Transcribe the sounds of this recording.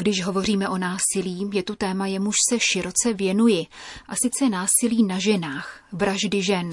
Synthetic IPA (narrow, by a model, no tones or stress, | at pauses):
ɡdɪʃɦo̞vo̞r̝iːmɛʔo̞naːsɪliːjɛt̪ut̪ɛːmajɛmuʃsɛʃɪɾo̞t͡sɛvjɛnujɪʔasɪt͡sɛnaːsɪliːnaʒɛnaːxvɾaʒdɪʒɛn